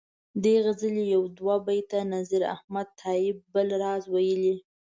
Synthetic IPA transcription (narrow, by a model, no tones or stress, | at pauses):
d̪eɣəzəlijawd̪wabajt̪anaziɾa̰hmad̪̚t̪ʰɑɪb̚ːəlɾɑzwajəli